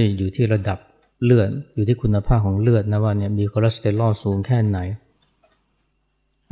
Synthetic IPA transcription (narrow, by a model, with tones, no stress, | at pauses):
jjuː˨˩t̪ʰiː˥˩ɾa˧da˨˩p̚ | lɯ˥˩ət̪̚juː˨˩t̪ʰiː˥˩kʰu˧nːa˧pʰaː˥˩p̚kʰɔː˩˦ŋlɯ˥˩ət̪̚na˦˥˩waː˧˩ni˥˩əmiː˧kʰoː˧ɾa˦˥st̪e˧lɔː˥˩suː˩˦ŋkʰɛː˥˩na˩˦j